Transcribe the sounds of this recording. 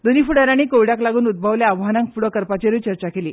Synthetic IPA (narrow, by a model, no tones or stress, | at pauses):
d̪oniːfuɽəɾaɽ̃iːkoʋɽaklaɡuːnud̪̚bʱəʋljaːʋɦanãŋkfuɽokəɾpat͡ɕeɾut͡ɕəɾt͡ɕakelḭː